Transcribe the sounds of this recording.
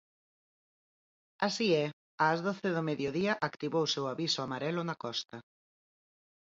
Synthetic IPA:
asiɛ | aːzðoθɪðʊmeðjoðiɐʔakt̪iβowsewaβisʊamaɾɛlʊnɐkɔst̪ɐ

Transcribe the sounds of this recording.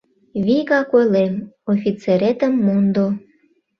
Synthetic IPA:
βiɣɑkojlemofʲit͡seɾet̪əmːund̪o

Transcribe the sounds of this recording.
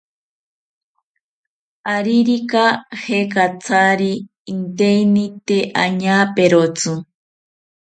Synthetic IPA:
aɾiɾikahekat͡sʰaɾiː | nt̪einit̪eʔaɲapeɾot͡su

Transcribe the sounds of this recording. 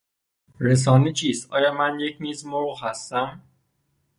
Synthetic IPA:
ɾe̞s̬ɒːnet͡ʃʰiːst̪ɒ̰ːjɒːmænje̞cʰmiːzmoʁhæst̪æm

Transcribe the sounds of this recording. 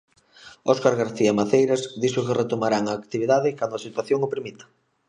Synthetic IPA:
ɔskaɾɣaɾθiamaθejɾazd̪isʊkɪret̪omaɾaŋaːkt̪iβ̞iðaðɪkand̪ʊasit̪waθjoŋopɾimit̪ḁ

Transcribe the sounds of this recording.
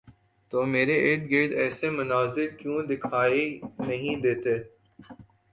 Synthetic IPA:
t̪oːmeːɾeʔeːʈ̚ɡeːʈɛːsemʊnaːzɪɾkjũd̪ɪkʰaːinɐɦĩd̪eːt̪eː

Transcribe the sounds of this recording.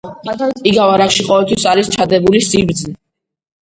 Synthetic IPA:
iɡavaɾaχʃiqʼɔvɛlt̪ʰwisaɾist͡ʃʰad̪ɛbulisiɾd̪zi

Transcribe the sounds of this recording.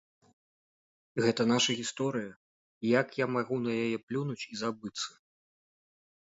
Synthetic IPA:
ɣɛt̪ɐn̪aʂɐɣʲist̪ɔɾɨjɐ | jakjamaɣunɐjajɛplʲunut͡sʲizabɨt̪sːɐ̥

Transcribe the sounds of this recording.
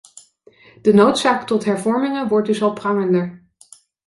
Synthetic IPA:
d̥ənowtsaːktɔtɦɛɹvɔɹmɪŋəʋɔɹt̚dɵsɑlˠprɑŋəndəɹ

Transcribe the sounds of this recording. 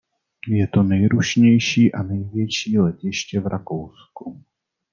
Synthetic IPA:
jɛt̪o̞nɛjɾuʃɲɛjʃiːʔanɛjvjɛʃiːlɛcɪʃcɛvɾʔakowsku

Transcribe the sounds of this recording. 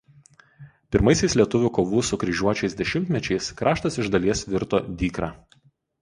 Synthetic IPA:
pʲɪɾmɐɪsʲɛɪslʲiɛt̪ʊʋʲʊˑkoːʋuːsʊkɾʲɪʒʲuɔt͡ʃʲɛɪsd̪ʲɛʃʲɪmʲt̪ʲmʲɛt͡ʃʲɛɪskɾʔɑːʃt̪ɐsɪʒd̪ɐlʲiɛsʋʲɪɾt̪o̰ːd̪ʲiːkɾɑː

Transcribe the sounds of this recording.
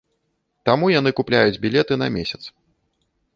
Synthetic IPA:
t̪amujan̪ɨkuplʲajud͡zʲbʲilʲɛt̪ɨnɐ̰mʲesʲɐt̪s

